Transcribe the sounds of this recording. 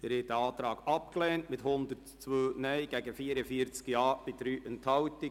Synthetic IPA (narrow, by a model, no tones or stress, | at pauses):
əɾhɛtdəɑːt̪ɾɑːɡ̥ɑp̚klɛːntmɪthʊnd̪ətt͡sʋøːnœɪɡ̥æɡəfiəɾəfiəɾt͡skiɑːb̥ɪdɾyːʔənthɑwti